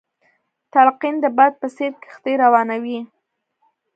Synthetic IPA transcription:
t̪alqind̪əbɑd̪̚pəseɾke̥xt̪eɾawɑnawi

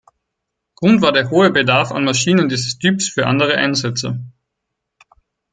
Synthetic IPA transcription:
ɡ̥ʁʊntv̥aːdeːɐɦoːəbədaɐfa̰nmaʃiːnəndiːzəstʰyːpsfyːɐʔa̰ndəʁəʔa̰ɪnzɛt͡sə̰

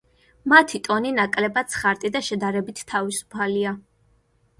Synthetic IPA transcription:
mat̪ʰit̪ʼɔninakʼlɛbat̪sʰχaɾt̪ʼid̪aʃɛd̪aɾɛbit̪ʰt̪ʰːavisu̥pʰalia

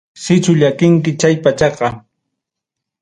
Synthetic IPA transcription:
sɪt͡ʃʊʎakɪŋkɪt͡ʃajpat͡ʃɑqɑ

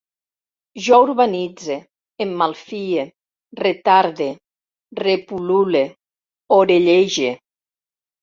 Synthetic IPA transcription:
ʒɔuɾβanid͡ze | emːalˠfie | ret̪aɾðe | repulule | oɾeʎeʒe

